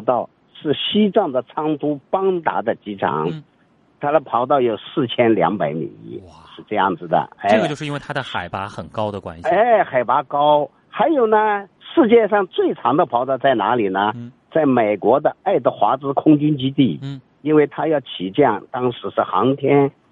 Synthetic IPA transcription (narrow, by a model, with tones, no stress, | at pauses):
t̪ɑ˥˩ʊ | ʂɻ̩˥˩ɕi˥ʈ͡ʂɑ˥˩ŋd̪ə˩t͡sʰɑ˥ŋt̪u˥pɑ˥ŋt̪a̰˧˥d̪ə˧t͡ɕi˥ʈ͡ʂʰɑ̰˧˥˦ŋ | t̪ʰa˥d̪ə˨pʰɑ˧˥ʊt̪̬ɑ˥˩ʊjo˨˩ʊsɹ̩˥˩t͡ɕʰjɛ˥nljɑ̰˧˥ŋpa˧˥ɪmḭ˨˩ŋḭ˧˥ʂɻ̩˥˧ʈ͡ʂɤ˥˧jɑ̰˥˩ŋd͡zɹ̩˩d̪ə̰˩e˥˧t͡ɕjʂɻ̩˥˧˥we˥˩t̪ʰa˥d̪ə˧xa˨˩ɪpa̰˧˥xə˨˩nkɑ˥ʊd̪ə˨kwa̰˥nɕie˥˩xa˨˩ɪpa˧˥kɑ˥ʊ | xa˧˥ɪjo˨˩ʊnə˧ | ʂɻ̩˥˧t͡ɕjɛ˥˧ʂɑ˥˧ŋt͡swe˥˩ɪʈ͡ʂʰɑ˧˥ŋd̪ə˧pʰɑ˧˥ʊt̪ɑ˥˧ʊt͡sa˥˩ɪna̰˧˥li˨˩nə˧ | t͡sa˥˩ɪme˨˩ɪkwɔ˧˥d̪ə˧a˥˩ɪd̪ə˧˩xwa˧˥t͡sɹ̩˥kʰʊ˥ŋt͡ɕy˥nt͡ɕi˥t̪i˥˩ | i˥nwe˥˩ɪt̪ʰa˥jɑ˥˩ʊt͡ɕʰi˨˩t͡ɕjɑ˥˩ŋt̪ɑ˥ŋʂɻ̩˧˥ʂɻ̩˥˩xɑ̰˧˥ŋt̪ʰjɛ˥n